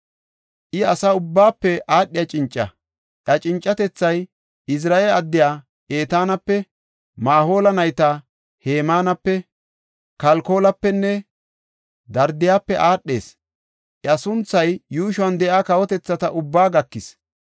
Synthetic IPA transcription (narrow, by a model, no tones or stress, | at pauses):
ʔɪɐsɐʊbːaːpːɛʔaːɗːɪjat͡ʃʼɪnt͡ʃʼːɐ̰ | ʔɐt͡ʃʼɪnt͡ʃʼːɐt̪ɛt͡sːɐj | ɪs̬ɾaːelɐd̪ːɪjaː | ʔe̞ːt̪aːnɐpːɛ | maːɦo̞ːlɐnɐjt̪ɐ | he̞ːmaːnɐpːɛ | kɐlko̞ːlɐpːɛnːɛ | d̪ɐɾd̪ɪjaːpːɛʔaːɗːe̞̰ːs | ʔɐsʊnt͡sːɐjjuːʃʊɐnd̪ɛʔaːkɐwɔt̪ɛt͡sːɐt̪ɐʔʊbːaːɡɐkːɪs